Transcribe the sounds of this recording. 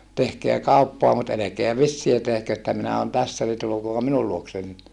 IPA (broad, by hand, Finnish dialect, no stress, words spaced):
tehkeæ kɑupːoɑ mut elekeæ ʋisːiæ tehkø etːæ minæ on tæsːæ ni tulukoɑp minul luoksen